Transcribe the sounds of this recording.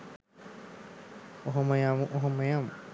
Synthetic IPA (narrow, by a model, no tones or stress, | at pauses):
oɦoməjamuʔoɦoməjam